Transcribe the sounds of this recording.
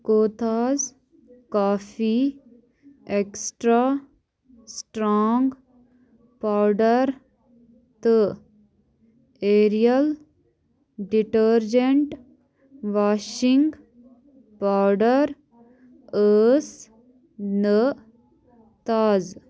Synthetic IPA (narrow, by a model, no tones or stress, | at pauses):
koːt̪aːz | kaːfi | eksʈɾa | sʈɾɔːŋɡ | paːɾɖəɾ | t̪ə | eːɾijəl | ɖiʈəɾd͡ʒeɳʈ | ʋaːʃĩŋɡ | paɾɖəɾ | əs | nə | t̪aːz